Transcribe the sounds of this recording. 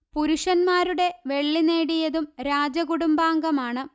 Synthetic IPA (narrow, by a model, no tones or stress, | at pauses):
puɾuʂɐnmaːɾuɽe̞ʋe̞ɭːine̞ːɽijɐðumɾaːd͡ʑɐkuɽumbaːŋɡɐmaːɳɨ